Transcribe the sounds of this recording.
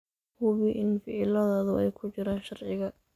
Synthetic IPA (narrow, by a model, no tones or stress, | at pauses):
hʊβɪʔɪnfɪʕɪlɐðaːðʊɛjkʰʊt͡ʃɪɾaːnʃɐrʕɪɣɐ